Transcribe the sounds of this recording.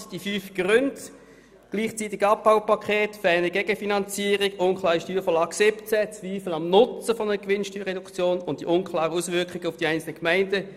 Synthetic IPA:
sd̥ifyːfɡ̥ʁʏnd | ɡ̥liːχt͡sitɪɡɑp̚b̥aʊwpakʰχeːtfɛnəɡɛɡ̥əfinɑnt͡siːəʁɪɡʊnkχlˠaːʁiʃtyːɐfɔlɑːɡsɪpt͡sɛt͡sviːfəl̩ɑmnʊt͡səfɔnəəkʋɪnʃtyːʁɛdʊkʰt͡sjoːnʊnt̚d̥ḭʔʊnkʰlɑːʁəuːsvʏɐkχɪɡəʊfd̥iaɪnt͡sl̩nəkmaɪndə

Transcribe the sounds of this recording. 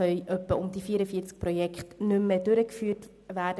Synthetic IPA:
œʏʔœpːəʊmdifiːəɾəfiːt͡sk̚pɾɔjɛkχtnʏmːedʏɾəkfyːt | ʋæːɾdə

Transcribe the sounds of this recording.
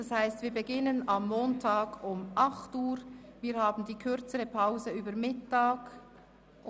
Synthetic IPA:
d̥ɑshaɪstviːɾbəɡɪnənɑmːoːntʰaːɡʊmʔɑχtuːɾviːhaːbn̩diːkʰʏɾt͡səʁəpʰaʊzəyːbəɾmɪtːaːk

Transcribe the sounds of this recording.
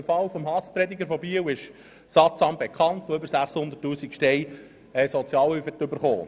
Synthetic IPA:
əfɑlfɔmɦɑspɾɛd̪iɡəɾfɔbiəwɪʃ | sɑt͡sɑmb̥ekʰχɑnt̪oʏbəɾsæχshʊndə̥tːuːsikʃtɛj | ɛsɔt͡sjɑːlyfət̪ːʏbəɾχo̰ː

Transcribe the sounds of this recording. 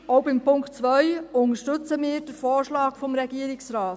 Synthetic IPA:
oʊbɪmpʊŋktt͡sʋœjʊnəʃtɵt͡səmɪːɾd̥əɾfoːɾʃlɑːkfɔmɾɛɡiəɾɪksɾaːt

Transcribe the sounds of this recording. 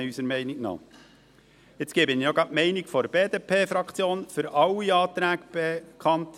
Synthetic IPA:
ysəɾmɛɪniknɑ̰ː | ɪt͡skeːbɪnjoɡɑmɛɪniɡfɔɾəbeːd̪eːpʰeːfɾɑkχt͡sjoːnfʏɾʔɑwiɑːt̪ɾæːɡb̥ekʰχɑnt

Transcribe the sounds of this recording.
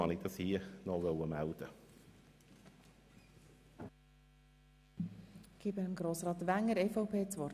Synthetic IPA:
ɑ̰nɪt̪ʰːsiːnɔɡoʊəmaʊt̪ə | ɡ̥ibəəmɡɾoːsɾɑːt̪ʋæŋəɾɛfoʊpʰeːt͡sʋɔr

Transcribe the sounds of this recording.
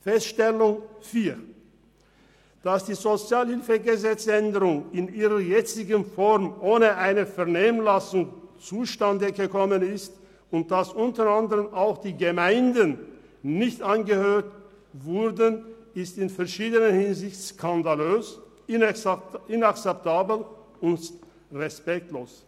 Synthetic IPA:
fɛstʃtɛlʊŋfiːɐ | d̥asd̥iːzot͡sjaːlhɪlfəɡəzɛt͡sʔɛndəʁʊŋɪniːʁɐjɛt͡sɪɡənfɔʁmʔoːnəʔaɪnəfɛɐneːmənlasʊŋt͡suːʃtandəɡəkʰɔmənɪst | ʊnt̚d̥asʔʊntəʁandəʁəmaʊxd̥iːɡəmaɪndənː | ɪçtʔanɡəhøːt | vʊʁdənɪstɪnfɛɐʃiːdənənhɪnzɪçtskʰandaløːs | ɪ | ɪnakt͡sɛp̚tʰaːbl | ʊnts | ʁɛspɛk̚tloːs

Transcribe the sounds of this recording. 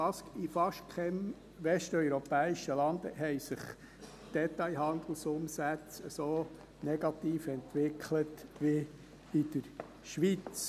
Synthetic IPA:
ɑskifɑʃtkʰɛm | ʋɛʃtœʏɾɔpɛːiʃəlɑnd̪əɦɛɪsɪχ | d̥ɛtɑjɦɑnd̪l̩sʊmsæt͡səsoː | nɛɡɑt̪iːfɛnt̪ʋɪkχlətʋi | ɪd̥̪əɾ | ʃʋit͡s

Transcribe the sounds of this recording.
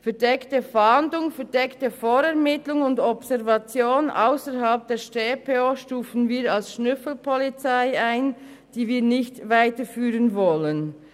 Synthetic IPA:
fɛɐdɛktəfandʊŋfɛdɛktəfoːɾɛʁmɪtlʊŋʊndɔbsɛʁvɑt͡sjoːnʔa̰ʊsəɾɦɑlp̚d̥eːʃteːpʰeoʃtuːfn̩viːɾɑlsʃnʏfl̩pʰɔlit͡saɪaɪn | d̥iːviːnɪçtvaɪtəfyːʁənvɔlən

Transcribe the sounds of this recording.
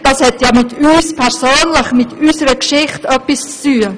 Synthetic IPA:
d̥ɑːshɛtjaːmɪtyːspʰɛɾsoːnlɪχmɪtysəɾəkʃɪχtœpist͡styːə

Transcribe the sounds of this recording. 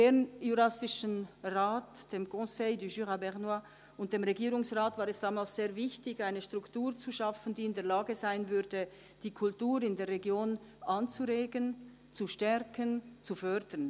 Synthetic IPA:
d̥eːnjuɾasɪʃənʁaːtd̥eːmkʰɔ̃seɪdyʒyʁabɛʁnwa | ʊnt̚d̥eːmʁeɡiːɾʊŋsʁaːtvaːɾɛsd̥aːmaːlsz̥eːɐvɪçtɪçaɪnəʃtʁ̥ʊktuːɾt͡suʃafən̩diːɪndeːɐlaːɡəzaɪnvʏɾdə | d̥iːkʰʊltuːɾɪndeːɐrːeɡjoːn | ʔant͡suɾeːɡən | t͡suʃtɛɾkənt͡sufœɾdən

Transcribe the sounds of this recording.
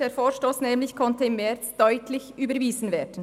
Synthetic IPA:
d̥eːɐfoːʃtoːsnɛːmlɪçkʰɔntəɪmːɛɐt͡sd̥œʏtʰlɪçʔyːbəɾviːzn̩veːdən̩

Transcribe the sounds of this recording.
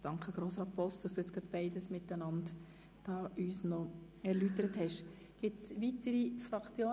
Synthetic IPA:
d̥ɑŋkχəɡ̥ɾoːsɾɑːt̪̚pʰɔstd̥ɑsd̥uɛt͡skɡɾɑt̪b̥ɛɪdəsmɪt̪ːənɑnd | d̥ɑːʔyːsnɔ | ɛɾlytəɾəthɛʃ | ɡ̥ɪtsʋit̪əɾifɾɑkt͡sjoː

